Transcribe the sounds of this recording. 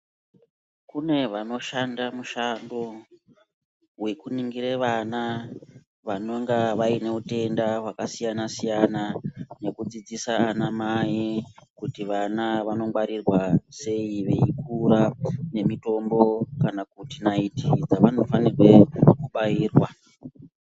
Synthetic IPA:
kune̞ʋano̞ʃandamuʃando | we̞kuniŋɡiɾeʋana | ʋano̞ŋɡaʋaine̞ute̞ndaɦwakasijanasijanane̞kud͡zid͡zisaːnamajikutiʋanaʋano̞mɡ͡baɾirwase̞iʋe̞ikuɾane̞mito̞mbo̞kanakutinaitid͡zaʋano̞fanirwe̞kuɓajiːrwa

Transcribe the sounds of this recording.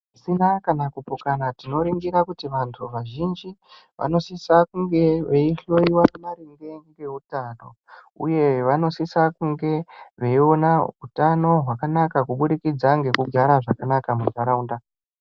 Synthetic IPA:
isinakanakupokanatino̞ɾiŋɡiɾakutiʋantʰuʋaʒind͡ʒi | ʋa̰no̞sisakuŋɡe̞ʋeiɬo̞iwamaɾiŋɡe̞ŋɡe̞ɦutano̞ | ṵje̞ʋano̞sisakuŋɡe̞ʋe̞io̞nautano̞ɦwakanakakuɓuɗikid͡zaŋɡe̞kuɡʱaɾaʐakanakamusaɾaunda

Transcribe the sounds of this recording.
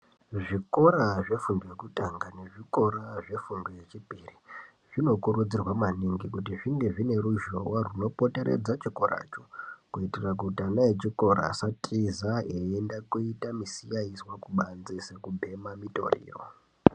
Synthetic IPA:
ʐiko̞ɾaʐe̞fundojekutaŋɡane̞ʐiko̞ɾaʐe̞fundoje̞t͡ʃipiri | ʐ̥ino̞kuɾud͡zirwamaniŋɡikutiʐiŋɡeʐine̞ɾuʒowaruno̞po̞te̞ɾe̞̰d͡zat͡ʃikorʔa̰ːt͡ʃo̥kuitirak̬utanaet͡ʃiko̞ɾa̰satʼizaeendakuitamisijaiswakuɓand͡zisekubʱe̞mamito̞̰rḭːro̰

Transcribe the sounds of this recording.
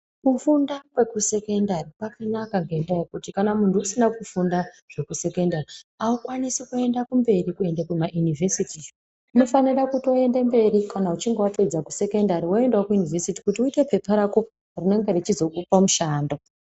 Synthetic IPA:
kufundakwe̞kuse̞kendaɾipwakanakaŋɡendajekutikanamuntʰuusinakufunda | ʐ̥e̞kuse̞kendaɾiaukwanisekue̞ndakumbe̞ɾikue̞ndekumaʔjunivʱesiti | uno̞fanirakuto̞e̞ndembe̞ɾikanaut͡ʃiŋɡewatod͡zaku̥se̞kendaɾiwoe̞ndewakujunivʱesiti̥kutiuite̞pe̞paɾaku | rine̞ŋɡe̞ɾet͡ʃizo̞kupamuʃaːndo̞

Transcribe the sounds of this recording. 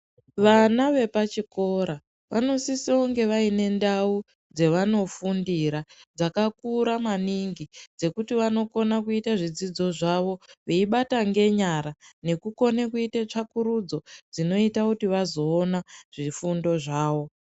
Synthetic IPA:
ʋanaʋe̞pat͡ʃiko̞ɾa | ʋʔano̞sisioŋɡe̞ʋaine̞ndau | d͡ze̞ʋano̞fundiɾad͡zakakuɾamaniŋɡid͡ze̞kutiʋano̞ko̞nakuitaʐid͡zid͡zo̞ʐaʋo̞ʋeiɓataŋɡe̞ɲaɾane̞kuko̞nekuitet͡ʂakuɾud͡zo̞d͡zino̞itakutiʋazo̞ːnaʐ̥ifundo̞ʐaːʋo̞

